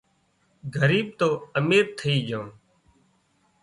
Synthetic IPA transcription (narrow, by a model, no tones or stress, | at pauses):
ɡʱəɾiːɓ̚t̪oːəmeːɾt̪ʰəiːd͡ʒõː